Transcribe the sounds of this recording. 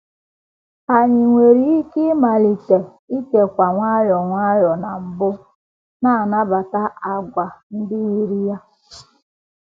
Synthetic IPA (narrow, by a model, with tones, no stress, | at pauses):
a˨ɲɪ˨ŋʷe˨ɾi˦i˦ki˦ma˨li˨te˨ | i˦ke˨kʷa˨ŋʷa˦jɔ˨ŋʷa˦jɔ˨na˨m̩˨bʊ˦ | na˦˨a˨na˦ba˨ta˦a˨ɡʷa˨n̩˦dɪ˦i˦ɾi˦ja˦